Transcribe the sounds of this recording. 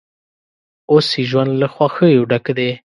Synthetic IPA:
osiʒwand̪laxwaxəjuɖakd̪e

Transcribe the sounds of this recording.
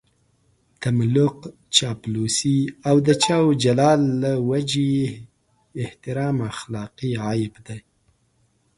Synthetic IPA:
t̪amlʊq | t͡ʃɑplosiawd̪ət͡ʃɑwd͡ʒalɑlːawad͡ʒe | ɪht̪ɪɾɑmaxlɑqiɑjɪbd̪aj

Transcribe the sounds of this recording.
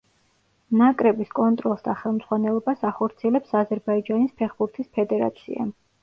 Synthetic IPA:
nakʼɾɛbiskʼɔnt̪ʼɾɔlˠsd̪aχɛlˠmd̪zʁwanɛlˠɔbasaχɔɾt̪sʰiɛlɛpsazɛɾbaid͡ʒanispʰɛχbuɾt̪ʰispʰɛd̪ɛɾa̰t̪sʰḭa̰

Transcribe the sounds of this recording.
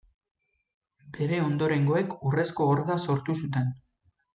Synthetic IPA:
be̞ɾe̞o̞nd̪o̞ɾe̞ŋɡo̞e̞kure̞sko̞ːɾðaso̞ɾt̪usut̪e̞n

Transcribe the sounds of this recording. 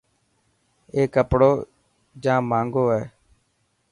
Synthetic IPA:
eːkəpɽoː | d͡ʒãːmãːŋɡoːɦɛː

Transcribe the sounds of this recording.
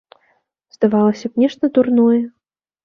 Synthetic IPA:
z̥d̪avalˠɐsʲɐpnʲɛʂt̪ɐd̪urnɔjɐ

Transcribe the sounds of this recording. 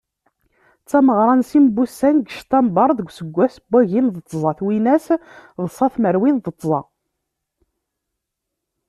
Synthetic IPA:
t͡sːɑməʁɾˤɑnsimbusːænɡəʃt̪æmbɑɾˤðəɡʷsəɡʷːæsəbːæʝinðət͡s̪ˤːzˤɑθwinæsðəsˤɑθməɾwinðət̪ˤːzˤɑ̰

